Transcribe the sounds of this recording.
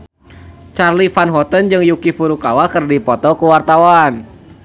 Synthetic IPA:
t͡ʃarlifanɦɔt̪ənd͡ʒɨŋjukifuɾukawakɨrdipɔt̪ɔkuwart̪awan

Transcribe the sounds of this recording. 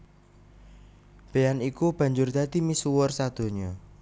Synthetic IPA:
b̥eanikub̥ä̤ɲd͡ʒʊrd̪ad̪̥i̤misuwʊrsad̪̥o̤ɲɔ

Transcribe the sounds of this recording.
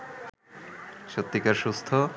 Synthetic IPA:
ʃot̪ːikaɾʃust̪ʰo

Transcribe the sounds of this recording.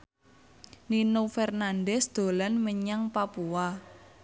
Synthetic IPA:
ninofɛrnandɛsd̪̥o̤lanməɲaŋpapua

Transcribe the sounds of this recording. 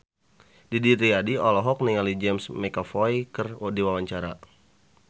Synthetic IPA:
didiɾiadiɔlɔɦɔk̚niŋalid͡ʒɛmsmɛkafɔjkərdiwawaɲt͡ʃaɾa̰

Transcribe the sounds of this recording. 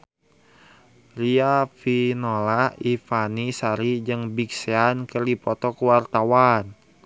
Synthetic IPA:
riafinolaifanisaɾid͡ʒɨŋbikseankərdipɔt̪ɔkuwart̪awan

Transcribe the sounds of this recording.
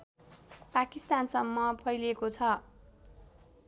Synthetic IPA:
pakist̪ansʌmːʌpʰʌjlekot͡sʰʌ

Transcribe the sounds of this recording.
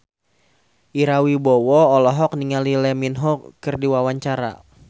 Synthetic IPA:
ʔiɾawibɔwɔːlɔɦɔk̚niŋalilɛminɦɔkkɨrdiwawaɲt͡ʃaɾa̰

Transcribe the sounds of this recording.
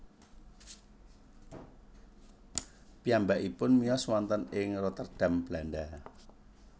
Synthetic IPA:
piambaʔipʊnmijɔswant̪ənɪŋrɔt̪ərɖ̥a̤mb̥lanɖa

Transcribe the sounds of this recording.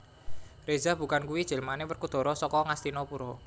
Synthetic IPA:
rezab̥ṳkankuwid̥ʒ̥e̤lmanewərkud̪̥ɔ̤ɾɔsɔkɔŋast̪inɔpuɾɔ

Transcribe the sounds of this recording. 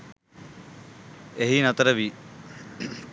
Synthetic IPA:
eɦinɐt̪əɾəʋi

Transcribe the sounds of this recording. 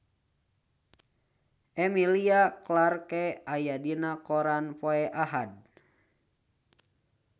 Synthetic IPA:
ʔɛmiliaklarkɛajadinakɔɾanpoɛʔaɦad̚

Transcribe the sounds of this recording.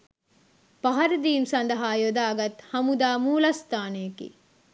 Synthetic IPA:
pɐɦɐɾɐd̪iːmsɐnd̪ɐɦaːjod̪aːɡɐt̪hɐmud̪aːmuːlɐst̪aːneːkḭ

